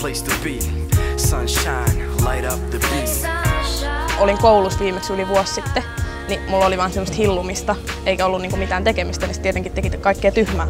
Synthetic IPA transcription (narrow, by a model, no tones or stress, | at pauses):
l̥eɪstəbi | sʌ̃nʃãɪ̃nlaɪɾʌp̚ðɨbĩs | oliŋkoulusʋiːmːeksyliʋuossit̪ːe | nimulːoliʋɑˑnsemːəst̪hilːumist̪ɑeikæolːuniːŋkumit̪æːnt̪ekemist̪ænist̪iet̪eŋkit̪t̪ekit̪kɑikːeːt̪yhmæː